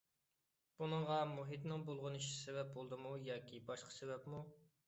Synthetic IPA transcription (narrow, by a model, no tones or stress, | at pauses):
b̥unɨŋʁɑmuɦit̪nɪŋbolˠʁʊniʃisevɛp̚bolˠd̪ɨmujɑːkʲʰibɑʃqʰə̥sebɛpmu